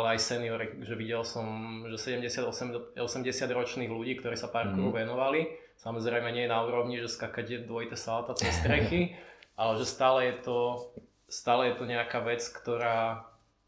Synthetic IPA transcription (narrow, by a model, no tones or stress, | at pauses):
alɛajsɛniɔɾiʒɛʋiɟɛlsɔmʒɛsɛɟɛmɟɛsɪad̪ɔsɛmɔsɛmɟɛsɪad̪ɾɔt͡ʃniːɣluɟiːk̚t̪ɔɾiːsapaɾkuɾɔʋɛnɔʋali | samɔzɾɛjmɛɲɪɛjɛnauːɾɔʊɲiʒɛskakacɛd̪ʊɔit̪ɛsaat̪at̪ɪɛst̪ɾɛxiʔalɛʒɛst̪aːlɛjɛt̪ɔ | st̪aːlɛjɛt̪ɔɲɛakaːʋɛt͡skt̪ɔɾaː